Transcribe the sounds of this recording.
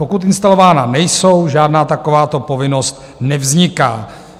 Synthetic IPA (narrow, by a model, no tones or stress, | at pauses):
o̞kut̪ɪnst̪alo̞vaːnanɛjso̞wʒaːdnaːt̪ako̞vaːt̪o̞po̞vɪno̞st̪ | nɛvzɲɪkaː